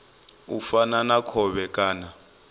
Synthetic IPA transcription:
ufananakʰɔɓɛkʼaːna

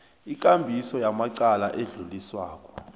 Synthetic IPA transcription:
ik̬ʼambʱisɔjamaǀalaʔeɮuliswaːk̬ʼɔ̥

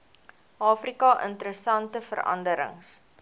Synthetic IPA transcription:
ʔɑːfrikɐʔə̰ntəɾəsɐntəfərɐ̰ndəɾə̰ŋs

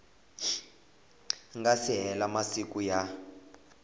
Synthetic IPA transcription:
ŋɡasiɦɛlamasikuja

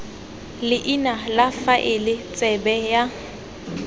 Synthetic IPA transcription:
lɪʔinalafaʔɪlɪt͡sʼɛbɛja

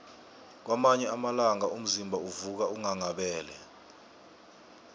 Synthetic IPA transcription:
k̬wamaɲɛamalaŋaʔum̩zimbʱauvuk̬auŋaŋaɓɛːlɛ̰

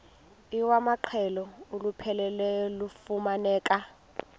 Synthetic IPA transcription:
iwamaǃʰɛlɔolupʰɛlɛlɛlufumanɛːkʼa

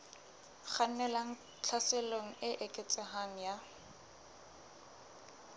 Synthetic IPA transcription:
χan̩nɛlaŋ̩ | t͡ɬʰaseloŋ̩ɪʔɪkʼɪt͡sʼɛɦaŋ̩ja

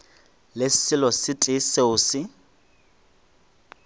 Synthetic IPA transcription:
lɪsɪlɔsɪtʼɪseʊsɪ

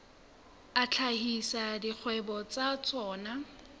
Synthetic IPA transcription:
at͡ɬʰahisadik͡xʰwɛbɔt͡sat͡sɔːna

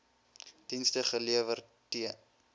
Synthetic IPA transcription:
d̥instəχəliəvərtiə

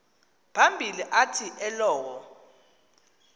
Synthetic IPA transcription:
pʰambʱiliʔatʰiʔɛlɔːwɔ

